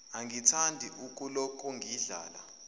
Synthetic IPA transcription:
aŋɡitʰandʱiʔukʼulɔkʼɔŋʱiɮa̰ːla̰

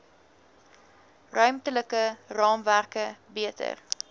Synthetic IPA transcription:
rœɥmtələkərɑːmværkəbiətə̰r

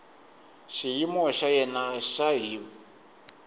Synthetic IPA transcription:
ʃijimɔʃajɛnaʃaɦiːβɔ

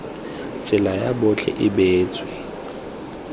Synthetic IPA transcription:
t͡sʼɪlajabʊt͡ɬʰɛ̰ʔɪbeːt͡sʼwɛ

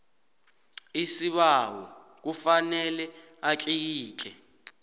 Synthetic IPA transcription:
isiɓawɔ̰ | k̬ufanɛlɛ | at͡ɬʼijiːt͡ɬʼɛ

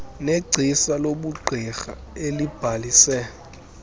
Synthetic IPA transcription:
neɡ͡ǀʱisaloɓuɡ͡ǃʱixa̰ | elib̥ʱalisɛ

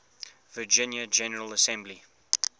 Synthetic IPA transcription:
vəd͡ʒɪ̃njəd͡ʒɛnəɹələsɛ̃mbli

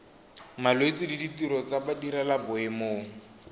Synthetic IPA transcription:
maloit͡sididitiɾɔt͡sabadiɾalabʊɪmoːŋ̩

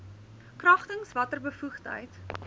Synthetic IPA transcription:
krɐχtəŋsvɐtərbəfuχtə̰jt

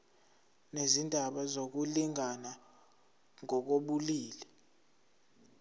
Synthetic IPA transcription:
nezindʱaɓazok̬uliŋʱana | ŋɔk̬oɓuliːlɛ

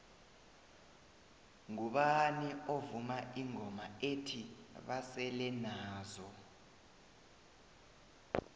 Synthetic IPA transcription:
ŋuɓaniovumaiŋɔmaetʰiɓasɛlɛnaːzɔ

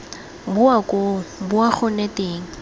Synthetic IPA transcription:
bʊakʼobʊak͡xʊnetʼeːŋ̩

